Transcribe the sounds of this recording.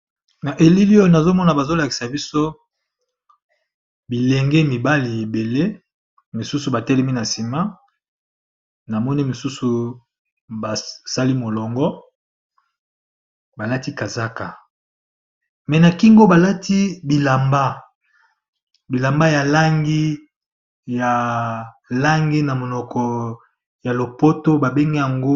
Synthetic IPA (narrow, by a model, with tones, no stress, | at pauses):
na˨ʔe˨li˦li˦o˦na˨zo˦mɔ˦na˨ba˨zo˦la˨ki̥˨sa˨bi˦so˦ | bi˨lɛ˨ŋɡɛ˦mi˨ba˦li˨e˨be˨le˦ | mi˨su˦su˨ba˨tɛ˦lɛ˦mi˦na˨si˨ma˦ | na˨mɔ˦ni˦mi˨su˦su˨ | ba˨sa˦li˦mo˨lɔ˨ŋɡɔ˦ | ba˨la˦ti˦ka˨za˦ka˨ | mɛ˨na˨ki˦ŋɡo˦ba˨la˦tʰi˦bi˨la˨mba˦ | bi˨la˨mba˦ja˨la˦ŋɡi˦ | ja˨ | la˦ŋɡi˦na˨mo˨nɔ˨kɔ˨ | ja˨lo˨po˦to˦ba˨be˦ŋɡe˦ja˨ŋɡo˦